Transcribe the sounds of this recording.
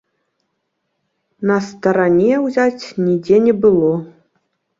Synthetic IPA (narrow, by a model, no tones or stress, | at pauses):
nɐst̪ɐɾanʲeɛwzʲat͡sʲnʲidʲenʲɛbɨlˠo